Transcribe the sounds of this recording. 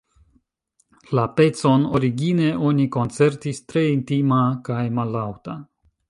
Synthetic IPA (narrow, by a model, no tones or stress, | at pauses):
lape̞t͡so̞no̞ɾiɡine̞ʔo̞niko̞nt͡se̞ɾtistɾe̞intimakajmalːawta